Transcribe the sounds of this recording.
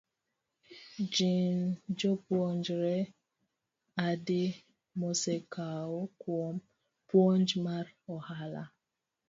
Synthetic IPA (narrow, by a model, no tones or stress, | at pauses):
d͡ʒind͡ʒɔpwɔnd͡ʒɾɛ | adɪ | mɔsɛkaokwɔm | pwɔnd͡ʒmaɾɔhala̰